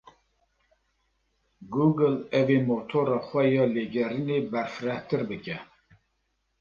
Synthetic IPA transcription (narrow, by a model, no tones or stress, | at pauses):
ɡuːɡɨlɛveːmoːt̪ʰoːɾɑːxʷɛjɑːleːɡɛɾɨneːbɛɾfɨɾɛht̪ɨɾbɨkɛ